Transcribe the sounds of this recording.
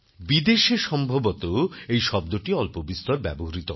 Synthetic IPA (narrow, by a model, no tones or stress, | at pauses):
bid̪eʃeɾʃɔmbʱobot̪oejʃɔb̚d̪oʈiɔlpobist̪oɾbɛboɦoɾit̪o